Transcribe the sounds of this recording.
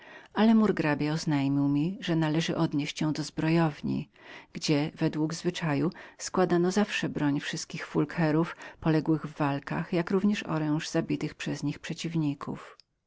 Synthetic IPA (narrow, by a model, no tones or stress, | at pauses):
alɛmuɾɡɾabʲjaɔznajmʲiwmʲiʐɛnalɛʐɘ̰ʔɔd̪ɲeɕt͡ɕjɛ̃w̃d̪ɔzbɾɔjɔvɲḭ | ɡ̥d͡ʑɛvɛd̪wuɡzvɘt͡ʂajuskwad̪anɔzafʂɛbɾɔɲfʂɘst̪̚kʲixfulkʰɛɾufpɔlɛɡwɘɣvːalka̰xjakɾuvɲɛʂɔ̰ɾɛ̃w̃ʐzabʲit̪ɘxpʂɛzɲixpʂɛt͡ɕivɲikʰṵf